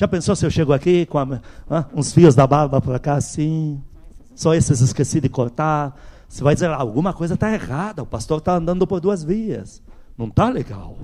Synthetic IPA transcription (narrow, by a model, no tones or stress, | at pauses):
ʒ̥apẽnsowsɪewʃeɡʊakikõɐmãũsfiʊzd̪ɐbaɾbɐpɾakasĩ | sɔesɪz̬ɪskesid̪ɪkoɾt̪aɾ | sɪvajd̪izeɾlaːwɡũmɐkojzɐt̪aeʁad̪ɐʊpast̪oɾt̪aɐ̃nd̪ɐ̃nd̪ʊpoɾd̪uɐzviɐ̰s | nũw̃t̪aleɡa̰w